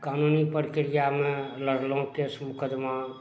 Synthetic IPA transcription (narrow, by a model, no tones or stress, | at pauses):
kanunipəɾkɾijamẽləɽlõkesmʊkəd̪ma